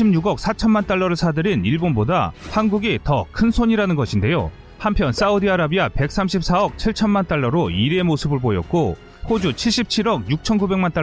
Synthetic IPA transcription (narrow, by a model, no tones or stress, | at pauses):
imɲuɡʌk̚s͈ʰat͡ɕʰʌnmant͈aɭːʌɾɯɭsʰadɯɾiniɭbonboda̰hanɡuɡitʌkʰɯnsʰoɲiɾanɯnɡʌɕʰinde̞jo̰ | hampʰjʌns͈audiaɾabiape̞k̚s͈amɕʰip̚s͈ʰaʌk̚t͡ɕʰiɭt͡ɕʰʌnmant͈aɭːʌɾoiɾemosʰɯbɯɭbojʌ̰t̚k͈o | hod͡ʑut͡ɕʰiɭɕ͈ip̚t͡ɕʰiɾʌk̚juk̚t͡ɕʰʌnɡube̞ŋmant͈a